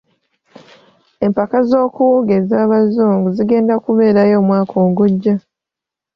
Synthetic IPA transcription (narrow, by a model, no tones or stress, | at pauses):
e̞mpakazo̞ːkuwoɡe̞zaːβazuːŋɡuziɡe̞ːndakuβe̞ːɾajo̞ːmwaːkʰoːŋɡuɟːa